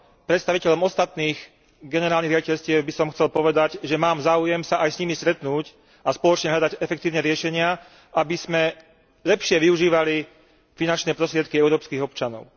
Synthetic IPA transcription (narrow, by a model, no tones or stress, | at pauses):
pɾɛt̪st̪aʋicɛʎɔmɔst̪at̪niːɣ | ɡɛnɛɾaːlniɦɣɾjaɟicɛʎscɪɛbisɔmxt͡sɛlpɔʋɛd̪aɟʒɛmaːmzaːujɛmsaʔajsɲimist̪ɾɛt̪nuːc | aspɔlɔt͡ʃɲɛɦʎad̪aɟɛfɛkt̪iːʊɲɛɾɪɛʃɛɲɪa | abiz̥mɛ | ʎɛpʃɪɛʋiuʒiːʋali | finant͡ʃnɛːpɾɔst̪ɾɪɛt̪̚kiɛʊɾɔːpskiːɣɔpt͡ʃanɔ̰ʊ